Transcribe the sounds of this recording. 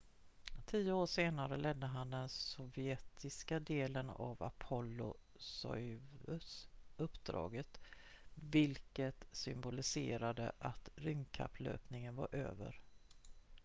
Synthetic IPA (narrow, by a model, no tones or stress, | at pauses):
t̪ʰijəoːʂeːnaɾəlɛd̪ːəɦand̪ɛnsɔvjɛt̪ɪskad̪eːləna̰va̰pʰɔlːʊ̰ | sɔ̰jvɵsɵpːd̪ɾɑ̰ːɡət̪ | vɪlkət̪sʏmbʊlɪsḛːɾad̪ə̰ʔat̪ɾʏŋkʰa̰pʰːlø̰ːpnɪŋənva̰ɾʔø̰ːvə̰ɾ